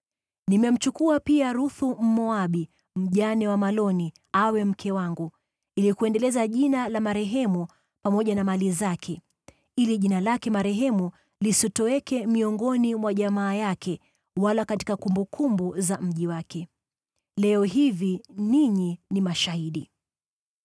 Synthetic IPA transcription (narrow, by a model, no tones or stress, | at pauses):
nimɛm̩t͡ʃukuapiaɾuθum̩mɔaɓi | m̩ʄanɛwamalɔni | awɛm̩kʰɛwaŋɡu | ilikuɛndɛlɛzaʄinalamaɾɛɦɛmu | pamɔʄanamalizakʰɛ | iliʄinalakɛmaɾɛɦɛmu | lisitɔwɛkɛmiɔŋɡɔnimwaʄamaːjakʰɛ | walakati̥kakumbukʰumbuzam̩ʄiwakɛ | lɛɔhiviniɲinimaʃahiɗi